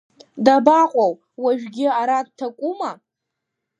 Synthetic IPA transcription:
dabaqʷʼaw | waʒᶣɡʲɪaɾad̚tʰakʷʼuma

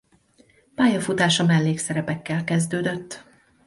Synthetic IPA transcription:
paːjɒfut̪aːʃɒmɛlːeːksɛɾɛpɛkːɛlkɛzd̪øːd̪ø̞t̪ː

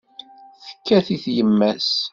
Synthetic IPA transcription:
θə̥kːæθiθjəmːæs

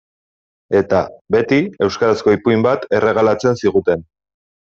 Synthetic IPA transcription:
e̞t̪abe̞t̪ie̞wskaɾasko̞ipuimbat̪e̞re̞ɣ̞alat͡se̞nsiɣ̞ut̪e̞n

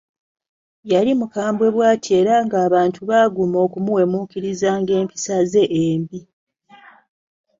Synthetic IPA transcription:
jalimukaːmbwe̞βwaːtʰie̞ːɾaŋɡaːβaːntʰuβaɡumo̞ːkumuwe̞muːkiɾizaːŋɡe̞ːmpi̥saze̞ʔeːmbi

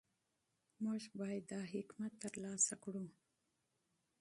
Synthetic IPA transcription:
muʒbɑjd̪ːɑɦɪkmat̪ːəɾlɑːsakɽu

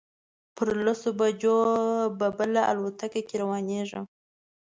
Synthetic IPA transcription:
pəɾlasobad͡ʒobabəlaʔa̰lwat̪akakeɾawɑneʐə̰m

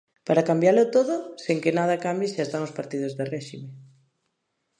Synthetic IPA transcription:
paɾakambjalot̪oðʊseŋkenað̞ɐkambjesast̪aŋospaɾt̪ið̞ozðerɛʃime

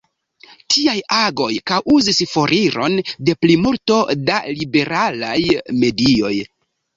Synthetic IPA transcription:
tʰiajaɡo̞jkawʔuzisfo̞ɾʔiɾo̞nde̞plimulto̞da̰libe̞ɾalajme̞dio̞̰j

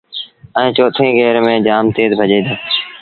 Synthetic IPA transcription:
ɛ̃ːt͡ʃoːt̪ʰĩːɡeːɾmẽːd͡ʒaːmt̪eːd̪bʱəʄeːd̪oː

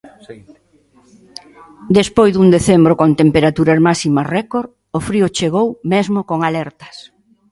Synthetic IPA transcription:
d̪espojzðund̪eθembɾokont̪empeɾat̪uɾɐzmasimɐrɛkoɾ | ofɾiʊt͡ʃeɣ̞owmezmokoŋalɛɾt̪ɐ̥s

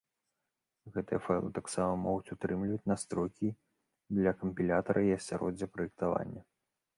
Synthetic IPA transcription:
ɣɛt̪ɨ̰jɐfalˠɨ̰t̪aksamɐmɔɣut͡sʲut̪ɾɨmlʲivɐt͡sʲnast̪ɾɔjkʲi | d̪lʲɐkɐmʲpʲilʲat̪ɐɾʔɐiɐsʲaɾʔɔ̰d͡zʲːɐpɾɐjɛk̚t̪ava̰nʲːɐ

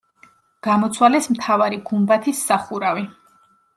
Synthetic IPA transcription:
ɡ̥amɔt̪sʰwalɛsmt̪ʰavaɾiɡumbat̪ʰisːaχuɾavi

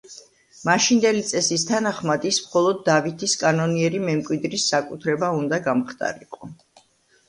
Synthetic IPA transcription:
maʃind̪ɛlit̪sʼɛsis̬t̪ʰanaχmad̪ismχɔlˠɔd̪ːavit̪ʰiskʼanɔniɛɾimɛmkʼwid̪ɾisːakʼut̪ʰɾɛbaund̪aɡamχt̪ʼa̰ɾḭqʼɔ

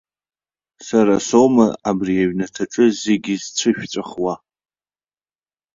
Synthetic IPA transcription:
saɾasomaabriaɥnatʰaʈ͡ʂʼɨzeɡʲizt͡sʷʰɨʃᶣt͡sʷʼaχwa

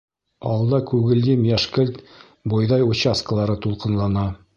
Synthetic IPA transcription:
ɒ̰lˠd̪ɑkʉɡɘ̆ld̪imjæʃkɘlt̪ | bojðɑjut͡ɕaskə̆lˠɑɾɤt̪ulˠqɤ̆nlˠɑnɑ

